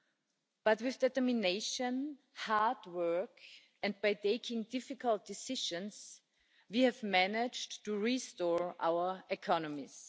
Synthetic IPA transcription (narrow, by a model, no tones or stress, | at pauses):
b̥ʌtwɪθdɛtə˞mɪneɪʃə̃n | haɹdwɜ˞k | ɛ̃nd̚baɪtʰeɪkʰɪ̃ŋdɪfɪkəlˠt̚d̥ɪsɪʃə̃ns | wihɨvmænɪd͡ʒtːuɹistɔɹʔa̰ʊə˞ɪkʰɑnəmis